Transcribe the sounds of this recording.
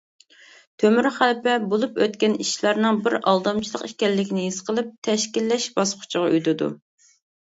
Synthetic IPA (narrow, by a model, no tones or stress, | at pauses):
t̪ʰømyɾχælpɛbolˠupøt̪kʲɛniʃlˠæɾnɨŋbɪɾɑ̰lˠd̪ɑmt͡ʃʰilˠəqikʲɛlːɪkʲʰinɪɦiz̥qʰəlˠɨp̚t̪ʰɛʃkʲilːɛʃbɑsqʰʊ̥t͡ʃʰəʁɑy̰jd̪ɨd̪ṵ